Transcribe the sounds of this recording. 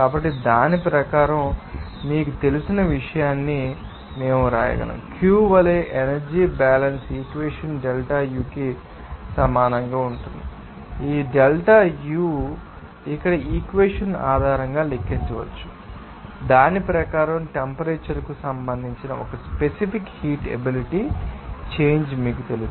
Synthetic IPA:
kaːbɐʈːid̪aːnipɾɐkaːɾɐm | miːkut̪e̞lusinɐʋiʂɐjaːnːi | me̞ːmuɾa̰ːjɐ̰ɡɐ̰nɐ̰mkjuːʋɐleːʔenɐɾd͡ʒiːbaːlɐnsiːkʋeːʂɐnɖelʈaːjuːki | sɐmaːnɐŋɡaːuɳʈund̪i | iːɖelʈajuː | ikːɐɽɐʔiːkʋeːʂɐna̰ːd̪ʱaːɾɐŋɡaːlekːiɲt͡ʃɐʋɐ̰t͡ʃːu̥ | d̪aːnipɾɐkaːɾɐmʈempɐɾeːt͡ʃɐɾkusɐmbɐnd̪ʱiɲt͡ʃinɐɔkɐspesipikhiːʈḛbiliʈit͡ʃe̞ːɲd͡ʒmiːkut̪e̞lu

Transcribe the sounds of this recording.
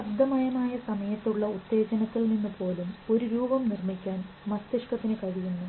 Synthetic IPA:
ɐb̚d̪ʱɐmɐjɐmaːjɐsɐmɐjɐt̪ːuɭːɐut̪ːe̞ːd͡ʑɐnɐt̪ːilninːupo̞ːlumo̞ɾuɾuːbɐmnirmikʲːaːn | mɐst̪iʂkɐt̪ːinɨkɐɻijunːu

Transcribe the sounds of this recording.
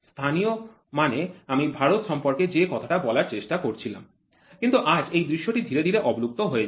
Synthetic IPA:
st̪ʰanio | maneamibʱaɾot̪ʃɔmpoɾked͡ʑekɔt̪ʰaʈabɔlaɾt͡ɕeʃʈakoɾt͡ɕʰila̰m | kint̪uʔad͡ʑejd̪ɾiʃːoʈid̪ʱiɾed̪ʱiɾeʔɔboluk̚t̪oɦoe

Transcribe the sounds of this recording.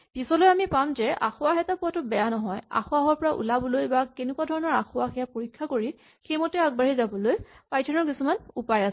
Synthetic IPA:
pisɔlojamipamzɛʔa̰xʊwaxɛtapʊatʊbɛjanɔɦɔja̰xʊaɦɔɹpɔɹaʔṵlabɔlojbakenʊkwadʱɔɹɔnɔɹaxʊaxɛjapoɹikʰːakoɹi | xejmɔtɛaɡ̚baɹizabɔlojpajtʰɔnɔɹkisumanupajas

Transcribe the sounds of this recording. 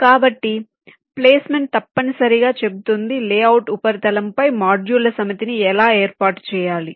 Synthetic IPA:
kaːbɐʈːi | pleːsmeɳʈt̪ɐpːɐnisɐɾiɡaːt͡ʃe̞but̪und̪ileːɐwʈupɐɾt̪ɐlɐmpɐjmaːd͡ʒjuːlɐsɐmɐt̪iniɛlaːeːɾpaːʈt͡ʃɛːjaːli

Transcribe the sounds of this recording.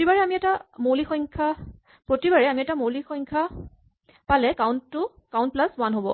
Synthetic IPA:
otibaɹɛamiɛtamowlixɔjŋkʰa | pɹotibaɹɛamiɛtamowlixɔjŋkʰa | palɛkawntːʊ | kawnt̚plaswanɦobɔ

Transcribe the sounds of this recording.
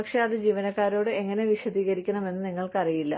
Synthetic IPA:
ɐkʂeɐðɨd͡ʑiːʋɐnɐkːaːɾo̞ːɽɨe̞ŋːɐne̞ʋiɕɐd̪iːɣɐɾikʲːɐɳɐme̞nːɨniŋːɐɭkɨɐrijilːɐ̰

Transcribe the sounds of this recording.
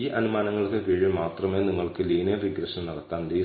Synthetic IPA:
iːʔɐnumaːnɐŋːɐɭkɨkiɻimaːt̪rɐmeːniŋːɐɭkɨliːnɐʋiɡɾɐɕɐnnɐɽɐt̪ːaːndi

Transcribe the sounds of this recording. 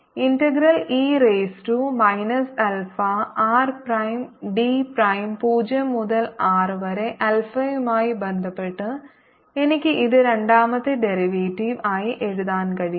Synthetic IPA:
intɐɡɾɐliːreːsʈumɐjnɐsɐlfɐaːrprɐjmɖiprɐjmpuːd͡ʑɐmːuðɐlaːrʋɐɾeʔɐlfɐjumaːjibend̪ʱɐpːeʈːɨ | enikʲːɨʔiðɨɾeɳɖaːmɐt̪ːɨɖeɾiʋeːʈːiʋaːjiʔeɻuðaːnkɐɻi

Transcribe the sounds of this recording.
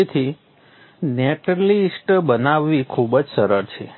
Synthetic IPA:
it̪ʰi | neʈəɾlisʈbənaʋːikʰubd͡ʒsəɾəɾt͡ʃʰḛ

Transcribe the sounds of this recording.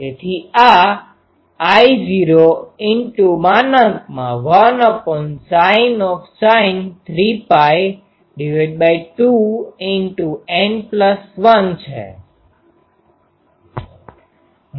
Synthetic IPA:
d͡ʒet̪ʰia | iziɾoɪnʈumanət̪mãʋənɔpɔnsajnɔfsaɪnt̪ʰɾipaj | ɖiʋaɖ̚bajʈuɪnʈuenpləsʋənt͡ʃʰḛ

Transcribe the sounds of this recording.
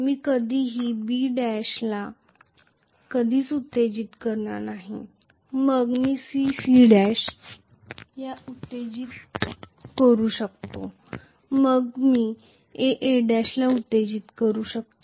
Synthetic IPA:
miːkəd̪ʱiːɦiːbiɖæɕla | kəd̪ʱiːt͡sut̪ːed͡ʑiːt̪kəɾɳa̰naɦḭ | məɡmiːsisiɖɛɕ | jaut̪ːed͡ʑiːt̪ | kəɾuːɕək̚t̪o | məɡmiː | eʔeɖɛɕlaut̪ːed͡ʑiːt̪kəɾuːɕək̚t̪o

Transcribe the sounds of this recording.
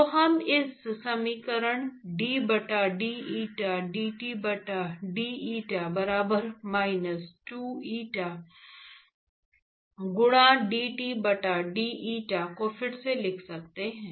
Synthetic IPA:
t̪oɦɐmɪssɐmiːkəɾəɽ̃ɖiːbɐʈaɖiːiːʈaɖiːʈiːbɐʈaɖiːiːʈabɐɾaːbəɾmaːɪnəsʈuːiːʈa | ɡʊɽ̃ãɖiːʈiːbɐʈaɖiːʔiːʈakoːfʰɪɽselɪkʰsɐk̚t̪eɦɛ̃ː

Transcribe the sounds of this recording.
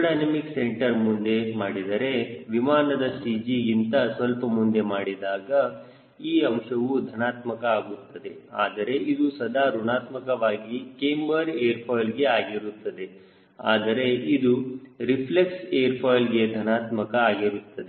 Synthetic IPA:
ɖaːnɐmikseɳʈɐɾmund̪e̞maːɽid̪ɐɾe̞ʋimaːnɐd̪ɐsid͡ʒiːint̪ɐsʋɐlpɐmund̪e̞maːɽid̪aːɡɐ | iːɐmʃɐʋud̪ʱɐnaːt̪mɐkɐaːɡut̪ːɐd̪e̞aːd̪ɐɾe̞ʔid̪usɐd̪aːɾuɳaːt̪mɐkɐʋaːɡikeːmbɐɾeːɐɾpʰɔːjlɡe̞aːɡiɾut̪ːɐd̪e̞ | aːd̪ɐɾe̞ʔid̪uɾipʰlekseːɐɾpʰɔːjlɡe̞d̪ʱɐnaːt̪mɐkɐaːɡiɾut̪ːɐd̪e

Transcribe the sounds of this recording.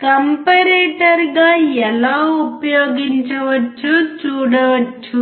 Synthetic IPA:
kɐmpɐɾeːʈɐɾɡaːɛlaːupɐjoːɡiɲt͡ʃɐʋɐt͡ʃːut͡ʃuːɽɐʋɐt͡ʃːu

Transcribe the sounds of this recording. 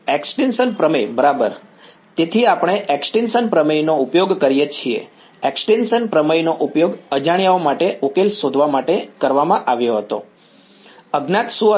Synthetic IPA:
eksʈenʃənpɾəmejbəɾabəɾ | t̪et̪ʰiapɽ̃eʔeksʈenʃənpɾəmejnoupjoɡkəɾijet͡ʃʰiḛ | eksʈenʃənpɾəməjnoʔupjoɡəd͡ʒaɳjaomaʈeʔokelsod̪ʱʋamaʈekəɾʋamãʔaʋjoɦət̪o | əɡnat̪suə

